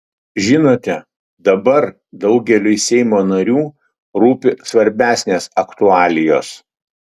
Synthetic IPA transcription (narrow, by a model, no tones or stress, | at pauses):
ʒʲɪnoːt̪ʲɛ | d̪ɐbɐɾ | d̪ɒʊɡʲɛlʲʊɪsʲɛɪmoːnɐɾʲuː | ɾuːpʲɪsʋɐɾʲbʲæːsʲnʲeːsɐkt̪ʊɑːlʲɪjoːs